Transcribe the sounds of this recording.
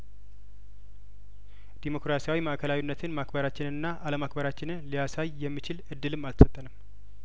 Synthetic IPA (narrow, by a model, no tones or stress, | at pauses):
d̪̥imo̞kɾasijawimaʔkʰəlawinːət̪ʰɨnmakbəɾat͡ʃːɪnɨnːaʔaləmak̚bəɾat͡ʃːɪnɨnlijasajːɛmːit͡ʃɪlʔɨd̪ːɨlɨmːalt̪ʰəsət̪ʼːənəmː